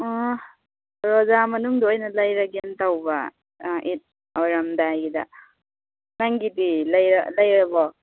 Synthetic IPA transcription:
ɔ | ɾɔzamɐnuŋdɔojnɐlajɾaɡentawba | ʔit̚ | ɔɾamdajɡida̰ | naŋɡidilajɾa̰lajɾɐbɔ

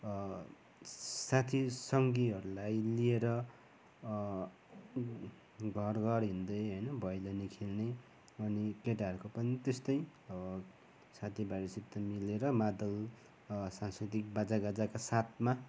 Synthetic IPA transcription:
sat̪ʰisʌŋɡiɦʌɾulajlieɾʌ | ɡʱʌrɡʌrɦind̪ʌjɦʌjnʌbʱʌjlanikʰilne | ʌnikeʈaʌɾukopʌnit̪est̪ʌjʌbʌ | sat̪ʰibaɾisipt̪ʌmileɾʌmad̪ʌl | sanskrit̪ik̚bad͡zaɡad͡zakasat̪ʰma

